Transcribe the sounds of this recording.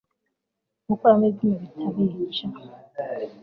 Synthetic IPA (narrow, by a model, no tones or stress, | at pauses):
ʊkʷamezimebitʰabiɦit͡ʃa